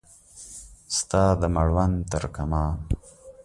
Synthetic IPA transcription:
st̪ɑːd̪əmaɽwant̪əɾkamɑː

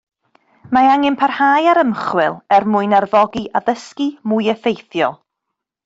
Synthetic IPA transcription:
maaŋɪnpʰarhaːjaɾəmχwɪlˠɛrmʊɨnarvɔɡiʔaðəskimuɨɛfejθjɔ̰lˠ

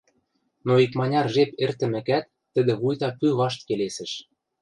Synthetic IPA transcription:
noikmɑnʲɑrʒepert̪ɘ̆mɘ̆kæt̪ːə̆d̪ĕβujt̪ɑpyβɑʃt̪kelesɘ̆ʃ

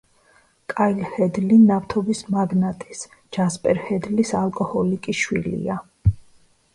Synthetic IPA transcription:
kʼailhɛd̪linaft̪ʰɔbismaɡnat̪ʼis | d͡ʒ̥aspʼɛɾhɛd̪lisalˠkʼɔhɔlikʼiʃwḭlḭa

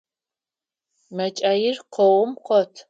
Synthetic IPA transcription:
mɐt͡ʃʼaːjɪrqʰɔwʊmqʰʷɔtʰ

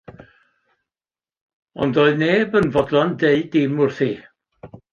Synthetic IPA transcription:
ɔ̰ndɔɨneːbənvɔdlˠɔndeɨdɪmʊrθi

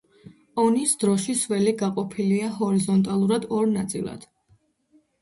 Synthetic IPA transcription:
ɔnisd̪̥ɾɔʃiswɛliɡaqʼɔpʰiliaɦɔɾizɔnt̪ʼalˠuɾad̪ɔɾnat̪sʼḭlˠa̰d̪̥

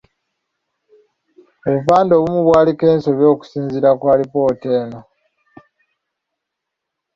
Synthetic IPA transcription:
oβufaːndo̞ːβumuβwaːlike̞ːnso̞βjo̞ːku̥siːnziɾakwaːlipo̞ːte̞ːno̞

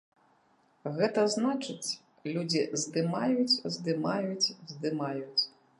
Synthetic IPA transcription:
ɣɛt̪ɐznat͡ʂɨt͡sʲ | lʲud͡zʲizd̪ɨmajut͡sʲzd̪ɨmajut͡sʲzd̪ɨmajut͡sʲ

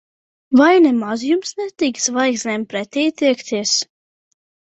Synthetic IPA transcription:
vajnɛmazjumsnʲɛt̪iksvajksnʲɛmpɾɛt̪ʲiːt̪iɛkt̪ʰiɛs

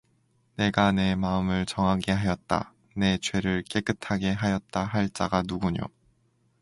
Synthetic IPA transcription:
ne̞ɡane̞maɯmɯɭt͡ɕʌŋɦaɡe̞ɦajʌt̚t͈a̰ | ne̞t͡ɕwe̞ɾɯɭk͈e̞k͈ɯtʰaɡe̞ɦajʌt̚t͈aɦaɭt͡ɕ͈a̰ɡanuɡuɲo̰

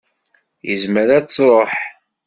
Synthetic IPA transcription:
jəzməɾæt͡sːɾˤoħ

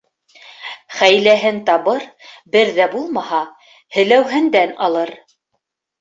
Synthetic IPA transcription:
χæjlæɦɘnt̪ɑβɤɾbɘɾðæbulˠmɑɦɑ | hɘ̆læwɦɘ̆nd̪ænɑ̰lˠɤɾ

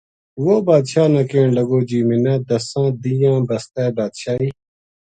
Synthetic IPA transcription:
ʋoːbaːd̪ʃaːnɐkẽːɳləɡoːd͡ʒiːmɪnãːd̪əsãːd̪ijãːbəst̪ɛːbaːd̪ʃaːiː

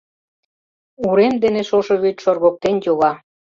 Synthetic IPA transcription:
uɾemd̪eneʃoʃoβyt̪ʲʃorɣok̚t̪enjoɣɑ

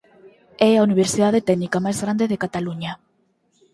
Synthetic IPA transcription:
ɛauniβ̞eɾsiðaðet̪ɛɡnikamajzɣɾand̪eðekat̪aluɲa

